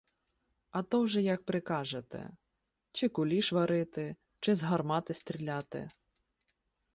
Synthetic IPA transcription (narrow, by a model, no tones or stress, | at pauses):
ɐt̪ɔwʒɛjɐk̚pɾɪkɑʒet̪ɛ̰ | t͡ʃɪkʊlʲiʃʋɐɾɪt̪ɪ | t͡ʃɪzɦɐrmɑt̪ɪst̪ɾʲilʲɑt̪ɪ̰